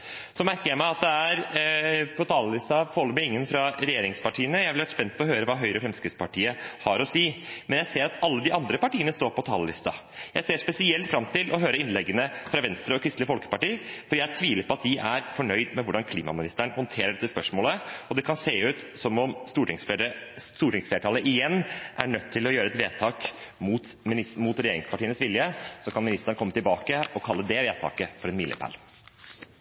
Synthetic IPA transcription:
sɔmæɾkəɾjæɪmæɪɑt̪̚d̪ɛæɾ | pʰɔt̪ʰɑːləlɪst̪ɑfɔɔlːəmæɪŋːənfɾɑɾɛjeːɾɪŋspɑʈʰiːənəjæɪʋɪlʋæɾəspɛnt̪pʰɔɔɦøːɾəʋɑɦœʏɾəfɾɛmskɾɪt̪spɑʈiːəhɑɾɔsiːmɛnjæɪseːɾɑt̪ɑlːəd̪ɪʔɑnd̪ɾəpɑʈiːənəst̪oːɾpɔt̪ʰɑːləlɪ̰st̪ɑ̰ | jæɪseːʂpɛsɪɛlt̪fɾɑmt̪ʰɪlʔɔɦøːɾəɾɪnlɛɡːənəfɾɑʋɛnst̪ɾəɔkʰɾɪst̪lɪəfɔlkə̥pɑʈiːfɔɖiːææʈ̪ʰʋiːlɪpʰɔɑt̪̚d̪ɪʔæɾfɔɳœʏd̪mɛʋʊɖɑnkʰliːmɑ̰mɪnɪst̪əɳhɔnt̪ʰeːɾəɖɛt̪ːəspœʂmoːləɔd̪ɛkʰɑnseːʉːt̪sɔmɔmst̪uːʈɪŋ | t̪uːʈɪŋsfleːʈʰɑləʔɪjɛnːʔæ̰ɳœt̪ʰːɪlɔjøːɾəɛt̪ʋeːt̪ʰɑːkmuːt̪muːt̪ɾɛjeːɾɪŋspɑʈʰiːənəsʋɪljəsɔkʰɑnmɪnɪst̪əɳəkʰɔmːət̪ɪlbɑːkəɔkʰɑlːəd̪ɛʋeːt̪ʰɑ̰ːkəfɔɾɛnmɪ̰lə̰pʰæ̰l

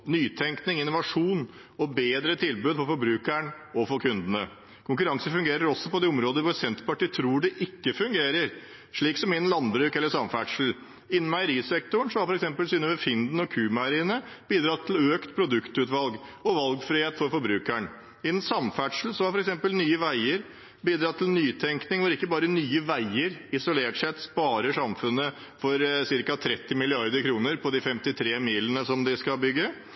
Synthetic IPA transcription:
nyːt̪ʰɛŋknɪŋɪnːʊʋɑʂuːn | ɔbeːd̪ɾət̪ʰɪlbʉːd̪fɔɾfɔɾbɾʉːkæɳ | ɔfɔɾkʰʉnd̪ənə | kʰʊŋkʉɾɑŋsəfʉŋɡeːɾəɾɔsːɔpɔd̪ɛɔmɾoːd̪əɾʋʊsɛnt̪pɑʈiːt̪ʰɾuːɖɛʔɪkːəfʉŋɡeːɾəɾ | ʂɭiːksɔmɪɛnlɑnbɾʉːkɛlːəsɑmfæʈʂl̩ | ɪnːən̩mɑɪəɾiːsɛk̚t̪ʊɳ̩ʂɔmhɑɾfɔɾɛksɛmpəlsyːnəʋɛfɪnd̪n̩ɔkʰʉːmɑəɾiːənə | b̥iːd̪ɾɑːt̪ʰːløːkt̪pʰɾʊd̪ʉkt̪ʉːt̪ʋɑlɡ | ɔʋɑlɡfɾɪheːt̪fɔɾfɔɾbɾʉːkæɳ | ɪɛnsɑmfæʈʂl̩sɔhɑɾfɔɾɛksɛmpəlnyːəʋæɪəɾ | biːd̪ɾɑːt̪ʰlnyːt̪ʰɛŋknɪŋʋɔɾɪkːəbɑːɾənyːəʋæɪəɾɪsʊleːʈʂɛt̪spɑːɾəʂɑmfʉnːə | fɔɾsɪɾkɑt̪ʰɾɛt̪ːɪmɪlɪɑɾd̪əɾkʰɾuːnəɾpʰɔd̪ifɛmt̪ɪt̪ʰɾeːmiːlənəsɔmd̪ɪskɑlbʏɡːə

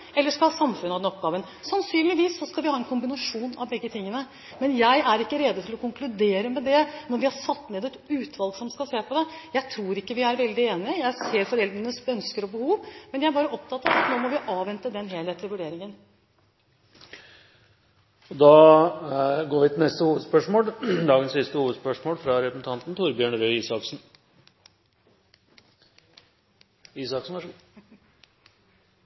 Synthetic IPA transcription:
ɛlːəʂkɑlhɑːsɑmfʉnəhɑd̪ɛnɔp̚ɡɑːʋən | sɑnsyːnlɪʋiːsːɔskɑlʋɪhɑːɛnkʰʊmbɪnɑʂuːnɑ̰ʋbɛɡːət̪ʰɪŋːənə | mɛnjæɪæɾɪkːəɾeːd̪ət̪ʰɪlɔkʰʊŋklʉd̪eːɾəmɛd̪ɛnɔɾʋɪhɑɾʂɑt̪ːneːd̪ɛt̪ʉːt̪ʰʋɑlɡsɔmskɑseːpʰɔd̪ɛjæɪt̪ʰɾuːɾɪkːəʋɪæɾʋɛld̪ɪeːnɪəjæɪseːɾfɔɾɛld̪ɾənəsœnskəɾɔbəhuːʋmɛnjææɾbɑːɾəɔp̚t̪ʰɑt̪ːɑʋɑt̪noːmɔʋɪʔɑːʋɛnt̪əd̪ɛnɦeːlheːt̪ʰːɪlʋʉɖeːɾɪŋən | ɔd̪ɑː | ɡoːɾʋɪt̪ɪlnɛst̪əhuːʋəd̪spœʂmoːld̪ɑːɡənsɪst̪əhuːʋəd̪spœʂmoːlfɾɑɾɛpɾəsn̩t̪ʰɑnt̪n̩t̪ʰʊɾbjøːɳɾøiːsɑksn̩ | iːsɑksn̩æ

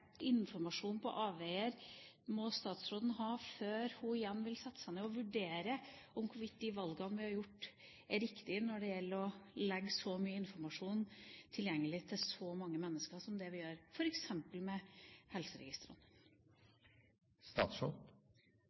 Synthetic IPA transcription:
ʔɪnfɔɾmɑʂuːnpʰɔ̰ʔɑːʋeːəɾ | mɔst̪ɑːt̪sɾoːd̪n̩ɦɑːføːɾhʊɪjɛnːʋɪlsɛt̪ːə̥sæɪnɛɔʋʉɖeːɾəɔmkʰʊʋɪt̪̚ːd̪ɪʋɑlɡɑnʋɪhɑɾjʊʈː | æɾɪkt̪ɪnɔɖɛjɛlːəɾɔlɛɡːsɔmyːəɪnfɔɾmɑʂuːnt̪ʰɪljɛŋːəlɪt̪ʰɪlsɔmɑŋːəmɛnːəskəʂɔmd̪ɛʋɪjøːɾfɔɾɛksɛmpəlmɛhɛlsəɾɛ̰ɡɪst̪ɾə̰n | st̪ɑ̰ːt̪sɾo̰d̪

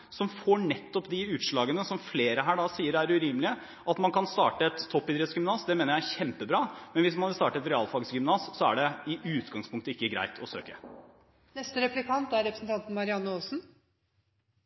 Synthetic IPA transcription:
sɔmfoːɳɛt̪ːɔpd̪ɪʉːt̪ʂɭɑːɡənəsɔmfleːɾəɦæːɖɑsiːəɾæɾʉɾiːmlɪə | ʔɑt̪mɑnkʰɑnst̪ɑːʈəɛt̪ʰːɔpːɪd̪ɾɛt̪sɡʏmnɑːsd̪ɛmeːnəɾjææçɛmpəbɾɑːmɛnʋɪsmɑnʋɪlst̪ɑːʈəɛt̪ɾɛɑːlfɑɡsɡʏmnɑːssɔæ̰ɖɛɪʔʉːt̪ɡɑŋspʰʊŋkt̪əɪkːəɡɾæ̰ɪt̪ʰɔsø̰ːkə | nɛst̪əɾɛplɪkʰɑnt̪æɾɛpɾəsn̩t̪ʰɑnt̪n̩mɑɾɪɑnːəoːsn̩

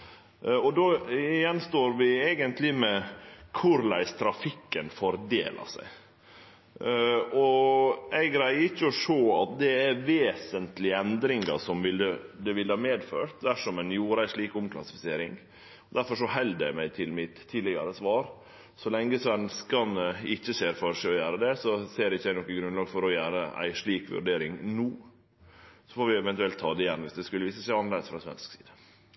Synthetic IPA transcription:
ɔd̪oɪjɛnst̪oːɾʋɪeːɡənt̪lɪmɛkʰʊɾlæ̰ɪst̪ʰɾɑfɪkːənfɔɾd̪ḛːlʔɑ̰sæ̰ɪ | ɔʔæɪɡɾæɪɪçːəɔʂoːɑt̪̚d̪ɛæɾʋeːsənt̪lɪɛnd̪ɾɪŋɡɑ̰sɔmʋɪləd̪ɛʋɪlːəhɑːmeːd̪fø̰ːɾt̪̚d̪æʂɔmɛnjuːɾəæɪʂɭiːkʊmkʰlɑ̰sɪ̥fɪseːɾɪ̰ŋ | ɔd̪æɾfɔɾʂɔɦɛld̪æ̰ɪmæɪt̪ʰɪlmɪt̪ʰːɪːɪɡɑɾəsʋɑːɾ | sɔlɛŋːəsʋɛnskɑnəɪçːəseːɾfɔɾʂɛɔjæːɾəd̪ɛsɔseːɾɪçːd̪æɪnɔkːəɡɾʉnlɑːɡfɔɾɔjæːɾəæ̰ɪʂɭiːkʋʉ̰ɖeːɾɪŋnuː | sɔfoːʋɪɛʋɛnt̪ʉɛlt̪ʰːɑːd̪ɛjɛnːʋɪsd̪ɛskʉlːəʋiːsəsæɪɑnleːd̪əsfɾɑsʋɛ̰nsksiːd̪ə̥

